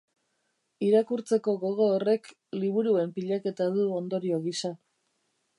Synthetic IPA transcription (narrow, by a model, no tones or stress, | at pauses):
iɾakuɾt͡se̞ko̞ɣo̞ɣ̞o̞ːre̞k | liβ̞uɾue̞mpiʎake̞t̪aðuo̞nd̪o̞ɾio̞ɣisa